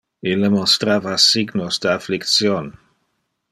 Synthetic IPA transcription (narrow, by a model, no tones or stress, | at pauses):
ilːemost̪ɾavasiɡnosd̪əaflikt̪sjon